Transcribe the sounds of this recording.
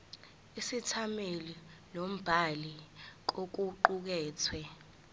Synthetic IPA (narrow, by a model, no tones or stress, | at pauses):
isitʰamelilom̩b̥ʱalik̬ok̬uǃuk̬ɛːt͡sʰwɛ